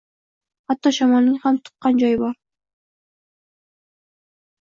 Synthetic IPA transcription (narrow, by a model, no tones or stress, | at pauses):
hat̪ːɒʃɒmɒlˠnɪŋhamt̪ʰʊ̥qːɑnd͡ʒɒjɪbɒɾ